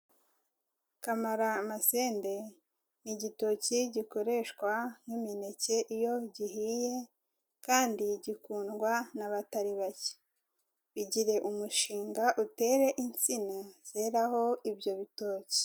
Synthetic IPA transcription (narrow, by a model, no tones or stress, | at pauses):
kamaɾamase̞ːnde̞ | niɟito̞ciɟiko̞ɾe̞ʃkwanumine̞ce̞ʔijo̞ɟihije̞ | kaːndiɟikuːnɡwanaβataɾiβace̥ | βiɟiɾe̞ʔumuʃiːŋɡaʔute̞ːɾe̞ʔint͡sinaz̥e̞ɾaho̞ibjo̞βito̞ːci̥